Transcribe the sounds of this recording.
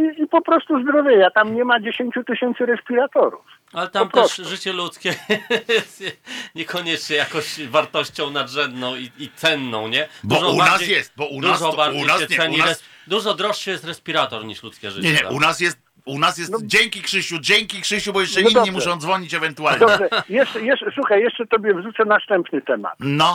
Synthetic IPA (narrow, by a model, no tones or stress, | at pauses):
iipɔpɾɔst̪uzd̪ɾɔvʲjɛjat̪amɲɛmad͡ʑeɕeɲt͡ɕut̪ɘɕɛnt̪sɨɾɛspʲiɾat̪ɔɾṵf | alɛt̪amt̪ɛʂʐɘt͡ɕɛlut̪skʲɛjɛst̪jɛɲɛkʰɔɲɛt͡ʂɲɛjakɔ̃ɕvaɾt̪ɔɕt͡ɕɔ̃w̃nad̪ʐɛnd̪nɔ̃w̃iit̪sɛnːɔ̃w̃ɲɛb̪ɔʐɔbuanasjɛst̪̚bɔund̪usʐɔbaɾd͡ʑunasɛɛsɛɲiɾɛs | d̪uʐɔd̪ɾɔʂːɛjɛst̪ɾɛspʲiɾat̪ɔɾɲiʂlut̪skʲɛʐɨt͡ɕɛɲɛt̪aʔunasjɛst̪̚ | unasjɛst̪d͡ʑeŋkʲikʂɘɕud͡ʑeŋkʲikʂɘɕubɔjɛʂt͡ʂɛiɲimuʂɔ̃w̃d̪zvɔɲit͡ɕɛvɛnt̪uallɔɛjɛʂɛjɛʂɛsuxajjɛʂt͡ʂɛt̪ɔbʲjɛvʐut̪sɛnast̪ɛmpnɘt̪ɛma̰t̪nɔ